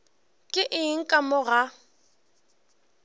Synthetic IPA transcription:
kʼɪʔɪŋ̩kʼamʊɣa

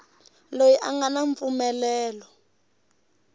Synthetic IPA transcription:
lojiʔaŋɡanaɱp̪fumɛlɛːlɔ

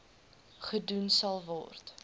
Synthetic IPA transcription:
χədunsɐlˠvɔ̰rt

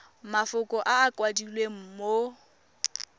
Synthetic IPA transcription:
mafʊkʼɔʔaːkwadilweŋ̩mo

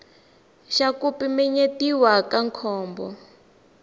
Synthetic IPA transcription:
ʃakupimɛɲetiwakaŋkʰɔːmbɔ̰

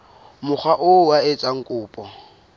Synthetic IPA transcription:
mʊk͡xʰwaʔʊwaɪt͡sʼaŋ̩kʼʊːpʼɔ

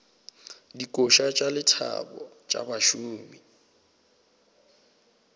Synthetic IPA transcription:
dikʼoʃat͡ʃʼalɪtʰa̰bɔ | t͡ʃʼa̰baʃuːmi

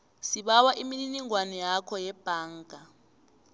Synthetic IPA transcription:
siɓawaʔimininiŋwanɔjakʰɔjɛb̥ʱaːŋɡʱa

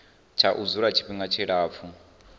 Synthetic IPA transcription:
t͡ʃʰaʔud͡zuɺat͡ʃʰi̥ɸiŋɡat͡ʃʰiɺaːp̪fʰu

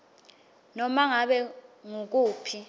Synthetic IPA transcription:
nɔmaŋaɓɛŋuk̬uːpʰi

